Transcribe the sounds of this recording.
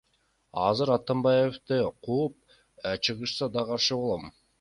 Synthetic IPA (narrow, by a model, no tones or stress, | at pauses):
ɑzɯɾɑt̪ɑmbɑjeft̪ɯqʰuːp̚ | t͡ʃʰɯʁɯʃsɑd̪ɑqɑɾʃɯbo̞lˠom